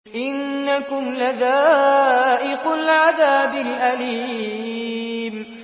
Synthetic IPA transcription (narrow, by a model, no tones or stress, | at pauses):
ʔɪnːakʊmlaðaːʔɪqʊlʕaðaːbɪlʔaliː | m